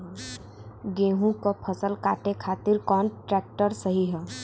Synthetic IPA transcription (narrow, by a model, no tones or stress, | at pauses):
ɡeːɦũkapʰəsəlkaːʈ̪ekʰaːt̪ɪɾkɔːnʈɾɛːk̚ʈəɾsəɦiɦɛː